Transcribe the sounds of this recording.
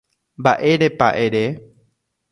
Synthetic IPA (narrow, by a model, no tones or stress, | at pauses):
mbaʔe̞ɾepa̰ʔeɾe